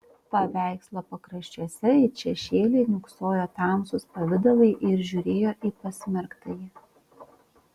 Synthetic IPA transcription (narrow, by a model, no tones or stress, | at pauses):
pɐʋʲæˑɪkslˠɐpɐkɾɐʃʲt͡ʃʲuɔsʲɛɪʃʲɛʃʲeːlʲeɪnʲʊksoːjoːt̪ɑˑmsʊspɐʋʲɪd̪ɐlˠɐɪʔɪɾʒʲʊɾʲeːjoːʔiːpɐsʲmʲɛɾkt̪ɐjɪ